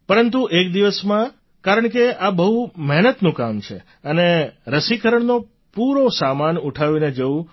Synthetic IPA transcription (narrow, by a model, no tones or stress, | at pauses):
pəɾənt̪uʔek̚d̪iʋəsmã | kaɾəɳkeʔabəɦumɛɦnət̪nũkamt͡ʃʰe | əneɾəsikəɾəɳno | puɾosamanuʈʰaʋined͡ʒəũ